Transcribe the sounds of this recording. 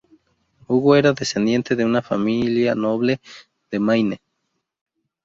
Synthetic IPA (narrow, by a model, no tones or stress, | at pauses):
uɣoeɾaðese̞nd̪je̞nt̪e̞ðeunafamiljano̞βle̞ | ð̥emajne